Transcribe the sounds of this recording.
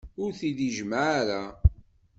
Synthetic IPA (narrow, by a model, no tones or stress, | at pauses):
ʊɾθiðiʒmaʕaɾa